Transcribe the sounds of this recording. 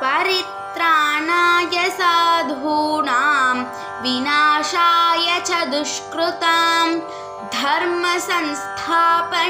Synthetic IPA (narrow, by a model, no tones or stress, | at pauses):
pɐɾit̪ɾaːnaːjɐsaːd̪ʱbʱuːɳaːm | ʋinaːʃaːjɐt͡ʃʰɐd̪uʃkɾut̪ɐm | d̪ʱɐɾmɐsɐnst̪ʰaːpɐ